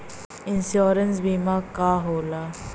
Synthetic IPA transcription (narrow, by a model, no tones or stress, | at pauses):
ɪnsjoːɾənsbiːmãːkaːɦoːlaː